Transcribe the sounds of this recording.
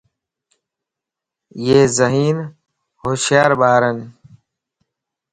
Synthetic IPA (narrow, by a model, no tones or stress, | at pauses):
jeːzɐɦiːn | hoːɕjaːɾbaːɾɐn